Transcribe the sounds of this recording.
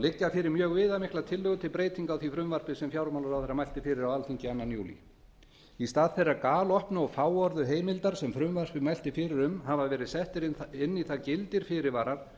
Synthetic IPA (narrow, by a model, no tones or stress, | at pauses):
lɪcːafɪːɾɪɾmjœːɣvɪːðamɪhklat̪ʰɪlːʏːɣʏt̪ʰɪlpɾeːjt̪iŋkawθifɾʏmvar̥pɪsɛmfjawɾmawlaɾawθejɾamajl̥t̪ɪfɪːɾɪɾawalθiɲcɪanːanjṵːlḭ | ist̪aːðθejrːakaːlɔhpnʏɔfaːwɔɾðʏɦeːjmɪlt̪aɾ̥sɛmfɾʏmvar̥pɪmajl̥t̪ɪfɪɾɪɾʏmɦavavɛːɾɪðsɛht̪ɪɾɪnːiθacɪlt̪ɪɾ̥fɪɾɪɾvaːɾaɾ̥